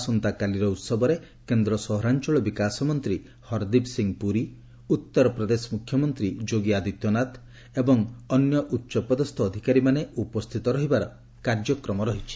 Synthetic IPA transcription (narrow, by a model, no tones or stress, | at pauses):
sɔnt̪akaliɾɔut̪sɔbɔɾe | kend̪ɾɔsɔɦɾant͡ʃɔɭɔbikasɔmɔnt̪ɾi | hɔɾd̪ibsiŋpuɾi | ut̪ːɔɾɔpɾɔd̪esmukʰjɔmɔnt̪ɾid͡ʒoɡiad̪it̪jɔnat̪ | ebɔŋɔnjɔʔutːʃɔpɔd̪ɔst̪ʰɔːd̪ʱikaɾimaneupɔst̪ʰit̪ɔɾɔɦibaɾɔ | kaɾd͡ʒɔkɾɔmɔɾɔɦit͡ʃʰi̥